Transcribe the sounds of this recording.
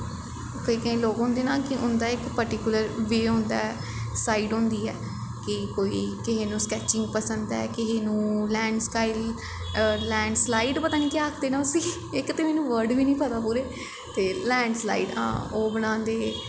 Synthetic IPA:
kəiːkəĩːloːkɦʊ̃nd̪eːnaːkɪʔʊnd̪aːɪkpəɾʈikjʊləɾʋeːɦʊ̃nd̪a̰ːɛ | saːiːɖɦʊ̃nd̪iːɛː | kɪkoːiːkɪɦeːnũːskɛːt͡ʃɪ̃ŋɡ̚pəsənd̪ɛ̰ːkɪɦeːnũːlɛ̃ːɳɖskaːil | lɛ̃ːɳɖslaːiːɖpət̪aːnĩːkeaːkʰd̪eːnãːʊsĩː | ɪkt̪eːmɛːnũːʋəɾɖʋiːnĩːpət̪aːpuːɾeː | t̪eːlɛ̃ːɳɖsla̰ːiːɖã̰ːoːbənãːnd̪eː

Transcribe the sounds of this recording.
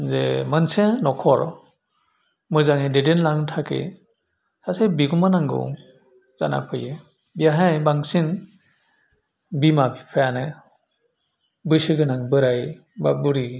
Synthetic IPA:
zḛmɯnsenɔkʰɔɾ | mɯzaŋededenlaŋtʰakḛ | sasajbiɡumanaŋɡɯ̰ | za̰na̰pʰɯjɯ | biaɦajbaŋsin | bimabipʰajanɯ | bɯsɯɡɯnaŋbɯɾaj | babuɾi

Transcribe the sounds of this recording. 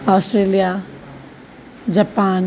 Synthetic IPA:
ɔːsʈɾeːlija | d͡ʒapaːn

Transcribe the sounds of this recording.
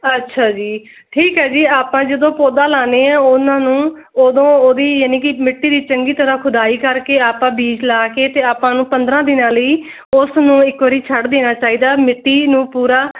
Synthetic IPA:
ətːʃʰaːd͡ʒiː | ʈʰiːkɦɛːd͡ʒiːaːpãːd͡ʒəd̪õːpoːd̪aːlaːneːãːʊnãːnũː | oːd̪õːoːd̪iːjaːniːkɪmɪʈːiːd̪iːt͡ʃəŋɡiːt̪əɾãːkʰʊd̪aːiːkəɾkeːaːpãːbiːd͡ʒlaːkeːt̪eːaːpãːnũːpənd̪ɾãːd̪ɪnãːləiː | ʊsnũːɪkʋəɾiːt͡ʃʰəɽd̪eːñaːt͡ʃaːiːd̪aːmɪʈːiːnũːpuːɾaː

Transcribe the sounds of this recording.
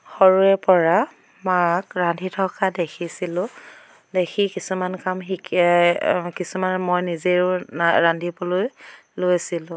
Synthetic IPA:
xɔɹuɛpɔɹa | makɹandʱitʰɔkadekʰisilʊ̃ | dexʰikisumankamɦik | kisumanmojnizeɹʊaɹandʱibɔloj | lojsilʊ̃

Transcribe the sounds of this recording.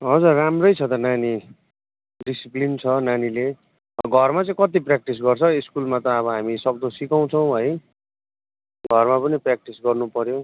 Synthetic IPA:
ɦʌd͡zurːamrʌjt͡sʰʌt̪ʌnani | ɖisiplint͡sʰʌnanile | ɡʱʌrmat͡sʌĩkʌt̪̬iprak̚ʈis̬ɡʌrt͡sʰʌiskulmat̪ʌːβʌɦamisʌk̚d̪osikaw̃t͡sʰʌw̃ɦʌj | ɡʱʌrmapʌniprak̚ʈisɡʌrnupʌɾjo

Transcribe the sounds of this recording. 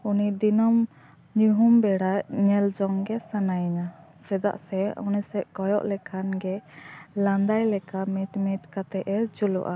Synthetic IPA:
unid̪inɔm | ɲuɦumbɛɽacɲɛld͡ʒɔŋɡɛsanajɲa | d͡ʒɛd̪a̰ʔsɛṵnisɛʔkɔjɔʔlɛkʰanɡɛlãnd̪ajlɛkamɛt̪mɛtkat̪ɛʔɛd͡ʒulṵʔa

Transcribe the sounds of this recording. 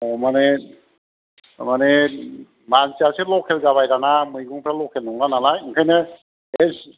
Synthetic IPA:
ɔmane | mane | mansiaselɔkʰelɡaβajɾanamɯjɡɔŋpʰɾalɔkʰelnɔŋlanalajɯŋkʰajnɯ | es

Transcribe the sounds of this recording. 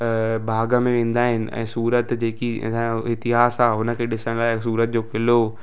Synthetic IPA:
bʱaːɡəmẽʋẽːn̆d̪aːɦɪnɪ̆ɛ̰̃ːsuːɾət̪d͡ʑeːkḭɪt̪ɪɦaːsaːʊnə̆kʰeːɗɪsəɽ̃laːɪsuːɾət̪̚d͡ʑoːkɪlo

